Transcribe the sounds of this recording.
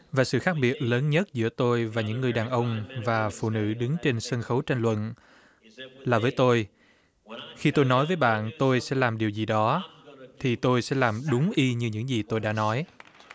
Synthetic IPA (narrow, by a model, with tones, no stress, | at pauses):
vaː˨˩sɨ̰˧˨xaː˦˥k̚ɓi˨˩ət̚ləː˨˦nɲə˦˥t̚zɨ̰˧˥ət̪o˧jvaː˨˩ɲɨ̰˧˥ŋːɨ˨˩əjɗaː˨˩nʔə˧wŋ͡mvaː˨˩fṵ˧˨nɨ̰˧˥ɗɨ˨˦ŋt͡ɕe˧nsə˧nxə˨˦wt͡ɕa˧ŋlwə̰˧˨n | laː˨˩vəː˨˦jt̪o˧j | xi˧t̪o˧jnɔ˨˦jvəː˨˦jɓa̰ː˧˨nt̪o˧jsɛ̰˧˥laː˨˩mɗi˨˩əwzi˨˩ɗɔ˨˦t̪ʰi˨˩t̪o˧jsɛ̰˧˥laː˨˩mɗʊ˨˦ŋ͡mʔi˧ɲɨ˧ɲɨ̰˧˥ŋzi˨˩t̪o˧jɗa̰ː˧˥nɔ˨˦j